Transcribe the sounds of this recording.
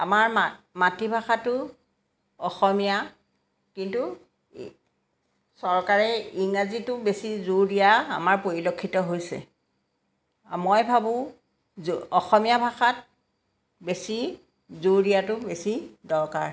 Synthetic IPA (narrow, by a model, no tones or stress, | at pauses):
a̰maɹmamatibʱaxatʊ | ɔxɔmija | kintu | sɔɹkaɹɛiŋazitʊbesizudijaa̰maɹpoɹilokʰːitɔɦojsɛ̰ | mojbʱabʊ̃ | zɔxɔmijabʱaxat̚ | besi | zudijatʊbesidɔɹka̰ɹ